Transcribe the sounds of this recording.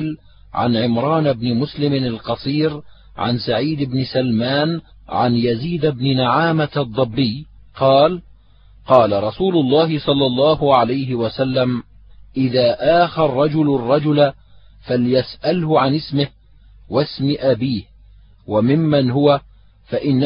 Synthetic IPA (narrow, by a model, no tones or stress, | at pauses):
l | ʕa̰nʕɪmɾˤɑːnbnɪmʊslɪmɪalqɑsˤiːɾ | ʕa̰nsaʕiːd̪ɪbnɪsalmaːn | ʕa̰njaziːd̪abnɪnaʕaːmat̪ʔɑd̪ˤːɨbːɪj | qɑːl | qɑːlaɾˤɑsuːlʊlˤːɑːɦɪsˤɑlːɑlˤːɑːhʊʕalajɦɪwasalːam | ʔɪðaːʔaːxarˤːɑd͡ʒʊlrˤːɑd͡ʒʊl | faljasʔalhʊʕanɪsmɪh | wasmɪʔabiːh | wamɪmːanhʊwa | faʔɪnː